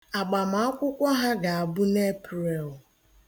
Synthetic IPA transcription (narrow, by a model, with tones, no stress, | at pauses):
a˨ɡ͡ba˨m˨a˦kʷʊ˦kʷa˦ɦa˦ɡa˨a˨bʊ˦ne˦pɾe˨ʊ˨